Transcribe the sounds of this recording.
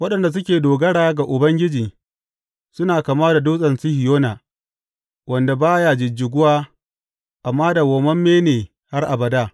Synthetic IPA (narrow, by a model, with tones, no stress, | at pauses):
wɐ˦ɗɐ˨nda˨s̬ʊ˦kʲeː˨doː˨ɡɐ˦ɽaː˦ɡa˨ʔʊ˨bɐ˦ŋɡʲɪ˦d͡ʒiː˨ | sʊ˦naː˨kaː˨maː˦da˨doː˦sʼɐ˨nsi˦hɪ˨joː˦naː˨ | wʔɐ˨nda˨baː˦jaː˨d͡ʒɪ˨d͡ʒɪ˨ɡʷʊ˦waː˦ | ʔa˨mːaː˦da˨woː˨mɐ˦mːeː˦neː˨ | ha˦rʔa˨bɐ˨daː˦